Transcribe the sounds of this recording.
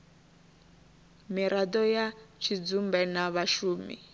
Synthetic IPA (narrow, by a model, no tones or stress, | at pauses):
miɾʔad̪ɔjat͡ʃʰid͡zumbɛnaβaʃuːmḭ